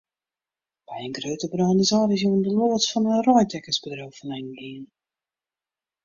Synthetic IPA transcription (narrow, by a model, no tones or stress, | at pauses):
b̥ɛjənɡrøːtəbrɔnizɔːdɪs̬juəndəloːtsfɔnənrɔjdɛkəsbədrowfənɛjnɡiən